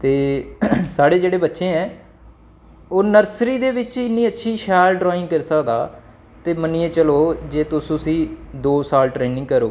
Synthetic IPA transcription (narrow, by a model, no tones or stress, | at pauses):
t̪eːsaːɽeːd͡ʒeːɽeːbətːʃẽːɛ̃ː | oːnəɾsɾiːd̪eːʋɪt͡ʃɪnːiːətːʃʰiːʃɛːlɖɾɔːɪ̃ŋɡkəɾsəkd̪aː | t̪eːməniːẽːt͡ʃəloːd͡ʒeːt̪ʊsʊ̃sĩːd̪oːsaːlʈɾeːnɪ̃ŋɡkəɾoː